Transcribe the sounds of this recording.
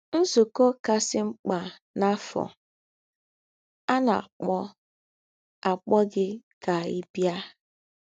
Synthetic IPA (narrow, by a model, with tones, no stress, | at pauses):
n̩˦su˨ko˦ka˦sɪ˦ŋ͡m̩˦k͡pa˨ | na˦fɔ̰˨ | a˦na˨a̰˨k͡pɔ˦ | a˨k͡pɔ˦ɡɪ˦ka˨i˦bja˦